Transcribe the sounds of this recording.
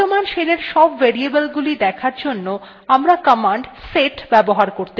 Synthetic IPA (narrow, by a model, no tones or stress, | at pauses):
omanʃeleɾʃɔbːeɾiebəlɡulid̪ɛkʰaɾd͡ʑonːo | amɾakamaɳɖseʈbɛboɦaɾkoɾt̪e